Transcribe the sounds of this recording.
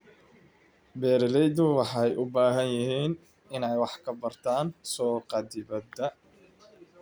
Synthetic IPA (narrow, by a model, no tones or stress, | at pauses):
bɛːɾɪlɛjd̪ʊwɑħɑjʔʊbaːɦɐnjɪɦiːn | ɪnɛjwɑħkʰɐbɐrt̪ʰaːnsɔːqɑd̪ɪbɐd̪ɐ